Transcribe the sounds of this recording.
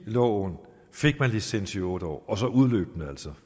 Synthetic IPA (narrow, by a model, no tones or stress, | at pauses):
lɒ̰ːn | fe̝ɡ̥̚mænlisensiɔ̽ːɾ̥əɒ̰ːɒ̽sɒ̽uð̞ˠlø̰ːb̥nəæl̰sɒ